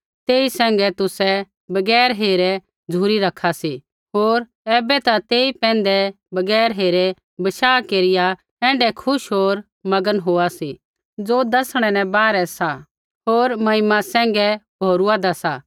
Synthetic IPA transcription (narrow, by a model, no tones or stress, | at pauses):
t̪eːisɛ̃ːŋɡɛt̪ʊsɛ | bɐɡɛːɾɦeːɾɛ | d͡zʱuːɾiɾɐkʰasi | ɦoːɾ | ɛːbɛt̪at̪eːipɛ̃ːnd̪ɛ | bɐɡɛːɾɦeːɾɛ | bɐʃaːkeːɾɪja | ɛ̃ːɳɖɛkʰʊʃɦoːɾ | mɐɡənɦoːasi | d͡zod̪ɐsɽ̃ɛnɛ̃baːɾɛsa | ɦoːɾmɐɦɪmasɛ̃ːŋ̆ɡɛbʱoːɾuad̪asa